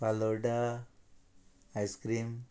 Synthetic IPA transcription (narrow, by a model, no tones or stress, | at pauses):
paloɖa | ajskɾim